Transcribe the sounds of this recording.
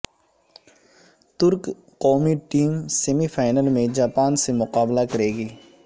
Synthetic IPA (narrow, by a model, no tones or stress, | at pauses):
t̪ʊɾk | qɔːmiʈiːmsemifʰaːɪnəlmẽd͡ʒaːpaːnsemʊqaːblakɐɾeːɡiː